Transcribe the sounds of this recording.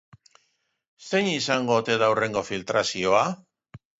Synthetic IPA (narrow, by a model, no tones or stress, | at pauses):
se̞ɲisaŋɡo̞t̪e̞ðawre̞ŋɡo̞filt̪ɾasio̞a